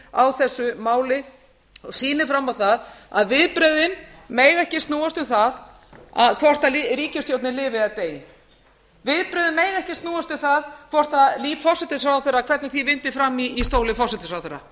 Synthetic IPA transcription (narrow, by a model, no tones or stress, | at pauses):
awθɛsːʏmaːwlɪ | ɔsiːnɪfɾamːawθaða̰ðvɪðpɾœðɪnmeːjɣɛhcɪst̪nuːast̪ʏmθað | a̰ðkʰvɔr̥t̪aliɾiːcɪst̪jowt̪nɪlɪːvɪaðt̪eːjɪ | vɪðpɾœːðɪnmeːjɣɛhcɪst̪nuːwast̪ʏmθaðkʰvɔr̥t̪aðliːvfɔ̥sɛt̪ɪs̬awθɛɾakʰv̥ɛɾt̪nɪθivɪnt̪ɪfɾamːiːst̪oːwlɪfɔrsɛt̪ɪsawθɛɾa